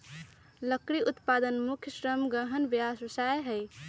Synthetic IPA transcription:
ləkɾiʔut̪pad̪ənmukʰjəsɾəmɡəɦənbjaswəsajɦəj

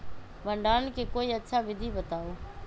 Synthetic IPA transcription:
bʱəɳɖaːnkʰeːkoːiːətːʃʰaːʋɪd̪ʱiːbət̪aːoː

